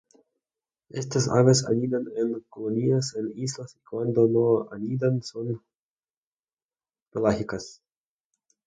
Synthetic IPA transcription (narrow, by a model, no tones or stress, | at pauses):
est̪asa̰βasa̰nid̪anenkoloniasenislasikwand̪onoa̰nid̪anson | pelaxikas